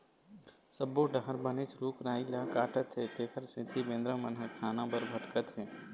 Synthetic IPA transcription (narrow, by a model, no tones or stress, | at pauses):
səbːoɖɐɦəɾbɐnɪt͡ʃɾuːkɾaːilakaːʈət̪ɦeːt̪eːkʰəɾsɪ̃t̪ʰibẽːnd̪ɾə̃mənɦəkʰaːnãbəɾbʱɐʈkət̪ɦɛː